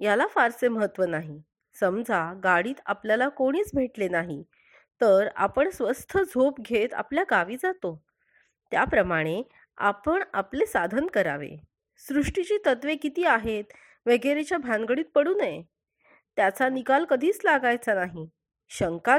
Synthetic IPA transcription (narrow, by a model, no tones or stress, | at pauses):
jalafaɾseməɦət̪ːʋənaɦi | səmd͡zʱaɡaɽiːt̪a̰pljalakoɽ̃iːt͡sbʱeʈlenaɦi | t̪əɾa̰pəɳsʋəst̪ʰəd͡zʱopɡʱet̪a̰pljaɡaʋiːd͡zat̪o | t̪japɾəmaɽ̃e | a̰pəɳaplesad̪ʱənkəɾa̰ʋḛ | sɾuʂʈit͡ɕiːt̪ət̪ʋekit̪iːaɦet̪ | ʋeɡeɾet͡ɕjabʱãŋɡəɽiːt̪̚pəɽuːnej | t̪jat͡sanikalkəd̪ʱiːt͡slaɡajt͡sanaɦi | ɕəŋka